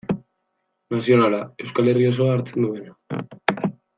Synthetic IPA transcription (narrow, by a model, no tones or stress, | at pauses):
nasjonalaewskalerios̬oaɾt̪nuβeno